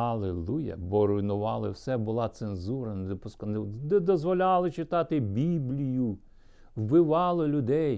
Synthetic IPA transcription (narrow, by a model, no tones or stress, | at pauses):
ɐlˠelˠujɐ̰bɔɾɔjnʊʋɑlˠɪwsɛbʊlˠɑt̪senzuɾɐnɛd̪ɔpʊsknd̪ɛd̪ɔzʋɔlʲɑlˠɪt͡ʃɪt̪ɑt̪ɪbʲiblʲijʊ | wbɪʋɑlˠɔlʲʊd̪ɛj